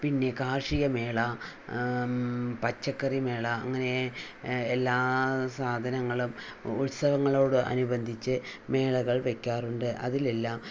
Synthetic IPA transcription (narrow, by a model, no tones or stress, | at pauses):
pinːe̞kaːrʂijɐme̞ːɭɐ | pɐt͡ɕːɐkːɐrime̞ːɭɐːŋːɐne̞ː | lːaːsaːd̪ʱɐnɐŋːɐɭumutsɐʋɐŋːɐɭo̞ːɽɨʔɐ̰nubɐnd̪ʱit͡ɕːɨme̞ːɭɐɣɐɭʋe̞kʲːaːruɳɖɨʔɐ̰ðile̞lːaːm